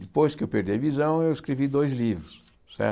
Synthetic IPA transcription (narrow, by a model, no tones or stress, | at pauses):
d̪ɪpojskɪewpeɾd̪iɐvizɐ̃w̃ewiskɾevid̪ojzlivɾʊs | sɛ̰ɾ